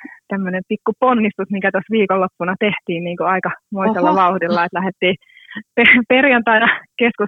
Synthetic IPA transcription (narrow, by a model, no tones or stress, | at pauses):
t̪æmːønempikːuponːist̪usmikæt̪osʋiːkolːopːunɑt̪eht̪iːnniːŋkuɑikɑmoiselːɑʋɑuhdilːɑet̪læhet̪ːiː | peperjɑnt̪ɑinɑkeskus